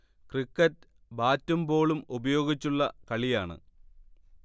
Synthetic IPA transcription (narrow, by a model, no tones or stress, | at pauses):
krikːɐt | baːtːumbo̞ːɭumubɐjo̞ːɡit͡ɕːuɭːɐkɐɭijaːɳɨ̰